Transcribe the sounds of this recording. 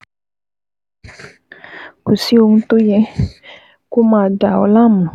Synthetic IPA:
ku˨si˦u˧ŋ˦t̪u˦jɛ˧˦ | ku˦ma˨da˨o̰˨˦la˦˨mu˨

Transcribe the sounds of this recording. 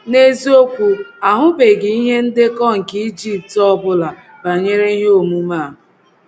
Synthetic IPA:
ne˦zi˦o˦kʷu˦a˨ɦʊ˦be˨ɡɪ˨i˦ɦe˦n̩˦dɪ˦kɔ˦ŋ̩˨ki˦d͡ʒi˦p̚tɔ˦bʊ˦la˨ | ba˨ɲe˦ɾe˦ɦe˦o˦˨mu˦ma˦˨ɦʊ˨

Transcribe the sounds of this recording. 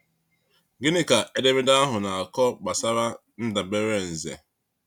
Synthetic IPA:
ɡɪ˦nɪ˦ka˨e˦de˦me˦da˦a˦ɦʊ˨na˨a˨kɔ˦k͡pa˨sa˦ɾa˦ | n̩˦da˨be˦ɾe˦˨n̩˨zḛ˨

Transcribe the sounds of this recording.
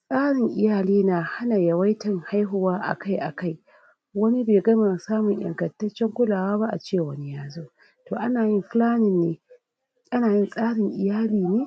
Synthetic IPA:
sʼaː˦ɽɪ˨ŋʔɪ˨jaː˨liː˦naː˨ha˦na˨jɐ˨wa˦jtɐ˦˨ŋha˦jɦʊ˦waː˦ʔa̰˨ka˦jʔa̰˨ka˦j | wɐ˦ni˦beː˨ɡɐ˦ma˨saː˦mʊ˨ɲj̰ɐ̰˨ŋkɐ˨ntɐ˦t͡ʃːɛ˦ŋkʷʊ˦laː˨waː˦ba˦ʔa̰˨t͡ʃeː˦˨wɐ˦ni˦jaː˦zoː˦ | toː˨ʔa˦naː˨jɪ˦mɸɪ˦laː˦nɪ˦nːeː˨ | ʔa˦naː˨jɪ˦nsʼaː˦ɽɪ˨ŋʔɪ˨jaː˦liː˨neː˦

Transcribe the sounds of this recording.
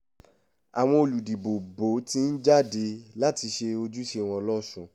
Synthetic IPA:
a˨w̃ɔ̃˧o˨lu˨di˨bo˨bo˨˦ti˦n̩˦d͡ʒa˦˨de˧la˦ti˧ʃe˧o˧d͡ʒu˦ʃe˧˨w̃ɔ̃˧lɔ˦sũ˦˨

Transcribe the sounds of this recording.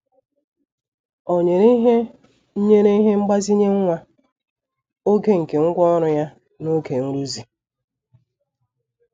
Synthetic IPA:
o˨ɲe˨ɾi˦ɦe˦ | n̩˦ɲe˦ɾe˦i˦ɦe˦ŋ͡m̩˦ɡ͡ba˦zi˦ɲe˦ŋ̩˦ŋʷa˦ | o˦ɡe˦ŋ̩˨ke˨ŋ̩˦ɡʷɔ˦ɔ˦ɾʊ˦ja˦ | no˦ke˨n̩˦ɾu˦zi˨

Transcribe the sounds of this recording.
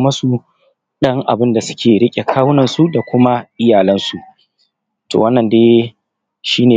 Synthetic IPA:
mɐ˦su˨ | ɗɐ˦ŋʔa̰˨bɪ˦nda˨sʊ̥˦kʲʰeː˨ɽɪ˦kʲʼe˨kʰaː˦wnɐ˨nsu˦da˨kʷʊ˦ma˦ʔɪ˦jaː˨lɐ˦nsu˨ʔ | to̰ː˨wɐ˦nːɐ˨ndeː˦ | ʃiː˦neː˨

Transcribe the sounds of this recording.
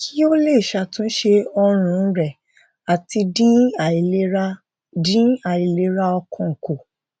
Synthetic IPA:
kʰi˦o˦le˦˨i˨ʃa˧tũ˦n̩˦ʃe˧ɔ˧ɾ̃ũ˧˦ɾɛ˨ | a˨ti˧dĩ˦a˨i˨le˦ɾa˦ | dĩ˦a˨i˨le˨˦ɾa˧ɔ˧kʰɔ̃˧˨ŋ̩˨ko˨

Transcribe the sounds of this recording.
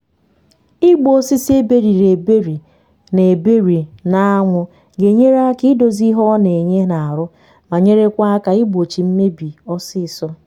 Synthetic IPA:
ɪ˦ɡ͡bo˦si˦se˦be˨ɾi˨ɾe˨be˦ɾi˨ | ne˨be˦ɾi˨na˨a˦ŋʷʊ˦ | ɡe˨ɲe˦ɾa˦ki˦do˨zi˦ɦɔ˦ne˨ɲe˦na˨a˨ɾʊ˦ | ma˨ɲe˦ɾe˦kʷa˦a˦ka˨ɪ˦ɡ͡bo˨t͡ʃi˨m̩˦me˦bi˨ɔ˦sɪ˦˨sɔ˦

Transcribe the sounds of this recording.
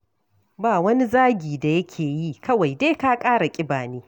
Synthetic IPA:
baː˨wɐ˦ni˦zaː˦ɡʲiː˨da˨jɐ˦kʲʰeː˨ji˦kɐ˦wa˨jdeː˦ka˦kʼaː˦ɽa˨kʲʼɪ˦baː˨niː˦

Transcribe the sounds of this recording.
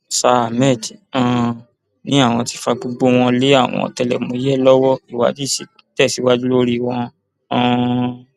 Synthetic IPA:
sa˧˨mɛ˦˨ti˨ã˨ | nĩ˦a˦˨w̃ɔ̃˧ti˧fa˧ɡ͡bo˧ɡ͡bo˧w̃ɔ̃˧le˦a˦˨w̃ɔ̰̃˧˨ɔ̰˧˨tɛ˧lɛ̰˨mõ˧i˦jɛ˦˨lɔ˦wɔ˦i˨wa̰˨˦di˦˨si˨tɛ˦˨si˨˦wa˧d͡ʒu˦lo˦ɾi˧w̃ɔ̃˧˦˧

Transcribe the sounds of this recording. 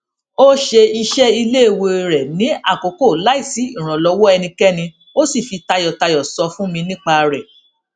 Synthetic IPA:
o˦ʃe˧i˧ʃɛ˦i˧le˦e˨wo˧˨ɾɛ˨nĩ˨˦a̰˦˨ko˨˦ko˦˨la˨˦i˦˨si˨˦i˦˨ɾ̃ã˨lɔ˧˦wɔ˦ɛ˧nĩ˧kɛ˦nĩ˧ | o˦si˦˨fi˧ta˧jɔ˨ta˧jɔ˨sɔ˧fũ˦mĩ˧nĩ˦k͡pa˧ɾɛ˨

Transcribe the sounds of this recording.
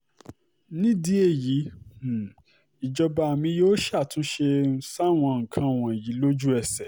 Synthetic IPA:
nĩ˦di˨˦e˦˨jĩ˨˦˨ | i˨d͡ʒɔ˧ba˧˨mĩ˧jo˦ʃa˦˨tũ˦ʃe˧˦sa˦˨w̃ɔ̃˧ŋ̩˨kʰã˧˨w̃ɔ̃˨e˨ji˨˦lo˦d͡ʒu˦ɛ˦˨sɛ˨

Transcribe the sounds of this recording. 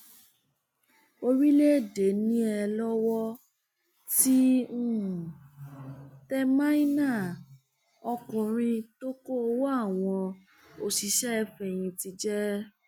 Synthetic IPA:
o˧ɾi˦le˦˨de˨˦nĩ˦ɛ˧lɔ˦wɔ˦ | tĩ˦˨ | tɛ˦ma˦i˦na˦˨ | ɔ˧kũ˧˨ɾ̃ĩ˧to˦ko˦o˧wa˦˨w̃ɔ̃˧ | o˧si˧ʃɛ˦ɛ˧fɛ˧˨j̃ĩ˧ti˧d͡ʒɛ˦

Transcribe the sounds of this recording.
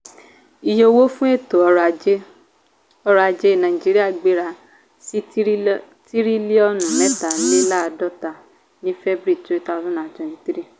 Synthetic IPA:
i˨jo˧wo˦fũ˦e˦˨to˨ɔ˧ɾa˧˨d͡ʒe˦ | ɔ˧ɾa˧d͡ʒe˦˨nã˨ĩ˨d͡ʒi˦ɾi˦a˦˨ɡ͡be˦ɾa˧ | si˦ | ti˦ɾi˦li˦ɔ˦nũ˨nɛ˦ta˨nĩ˦la˦˧dɔ˦ta˨ | nĩ˦fɛ˦bɾi˦˨tu˦e˦ta˦˧˨sũ˦nã˨d͡ʒɔ̃˨ĩ˨˦tɾi˦

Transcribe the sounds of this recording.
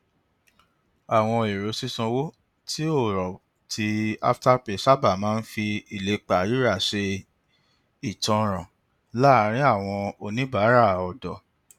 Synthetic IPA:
a˨w̃ɔ̃˧e˨ɾo˨˦si˦sɔ̃˧wo˦ | tʰi˦o˦˨ɾɔ˨ | ti˦a̰˦fta˦pe˨sa˦ba˦˨mãː˦n̩˦fi˧i˨le˨˦k͡pa˨˦ɾi˦ɾa˦˨ʃe˧ | i˨tɔ̃˧ɾ̃ã˨ | la˦˨˦ɾ̃ĩ˦a˦˨w̃ɔ̃˧o˧nĩ˨˦ba˨˦ɾa˦˨ɔ˨dɔ˨

